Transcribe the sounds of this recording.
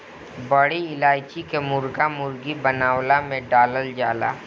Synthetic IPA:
bəɽiɪlaːjt͡ʃikemʊɾɡamʊɾɡibənaːwlamẽɖaːləld͡ʒaːla̰ː

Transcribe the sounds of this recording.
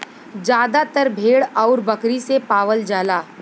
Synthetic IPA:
d͡ʒjaːd̪at̪əɾbʱeːɽɔːɾbɐkɾisepaːʋəld͡ʒaːlaː

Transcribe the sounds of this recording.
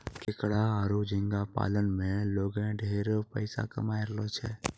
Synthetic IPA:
kɪkɽaaːɾud͡ʒɪ̃ŋɡapa̰ːlənmẽloːɡẽɖʱeːɾpə̰ɪsa̰kɐ̰maːeɾəlot͡ʃʰɛː

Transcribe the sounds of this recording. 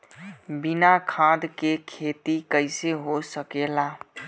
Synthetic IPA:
binakʰãd̪kekʰet̪ikəɪseɦosəkela

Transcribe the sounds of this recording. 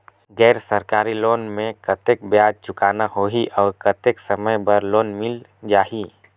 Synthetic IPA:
ɡɛːɾsəɾkaːɾiloːnmẽkət̪ek̚bjaːd͡ʒ̚t͡ʃʊkaːnaɦoːɦiʔɔːɾkət̪eksəməjbəɾloːnmɪld͡ʒaːɦiː

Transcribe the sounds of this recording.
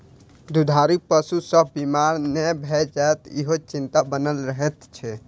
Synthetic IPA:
d̪ud̪ʱaɾipəsusəbʱbimaɾnebʱɛd͡ʒaet̪ḭɦot͡ʃint̪abənəlɾəɦɛt̪t͡ʃʰɛ

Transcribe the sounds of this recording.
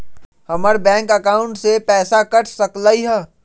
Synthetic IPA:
hɐməɾbɛ̃ːŋkəkaːʊ̃ɳʈsepɛːsakɐʈʰsɐklaiɦɛː

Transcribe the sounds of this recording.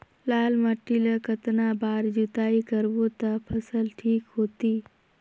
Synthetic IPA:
laːlmɐʈːiləkət̪nabaːɾd͡ʒut̪aːikəɾbot̪apʰəsəlʈʰiːkɦoːt̪iː

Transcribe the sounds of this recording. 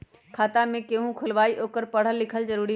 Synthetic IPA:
kʰaːt̪amẽkeːɦũkʰʊlʋaːiʔoːkəɾpɐɽ̤əlːɪkʰəlzɐɾuːɾi

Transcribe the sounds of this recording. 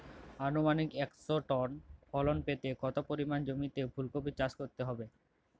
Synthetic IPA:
anumanikɛksoʈɔnfʰɔlonpet̪ekɔt̪opoɾimand͡ʑomit̪ebʱulkobit͡ɕːaskoɾt̪eɦɔbe

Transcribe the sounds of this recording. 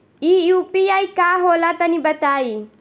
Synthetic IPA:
iupijajkaɦolat̪anibɐt̪ai

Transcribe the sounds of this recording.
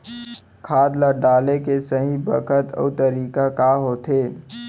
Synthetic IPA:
kʰaːd̪ləɖaːlekesəɦĩbə̰kʰət̪ə̰ːt̪əɾiːkakaɦoːt̪eː

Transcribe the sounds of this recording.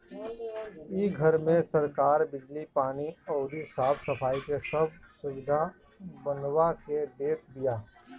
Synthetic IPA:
iːɡʱɐɾmẽsɐɾkaːɾbɪd͡ʒlipaːniɔːd̪isaːbsɐpʰaːikesɐb̚ʱsʊwɪd̪ʱa | bɐnwaked̪eːt̪̚ʰd̪ijaː

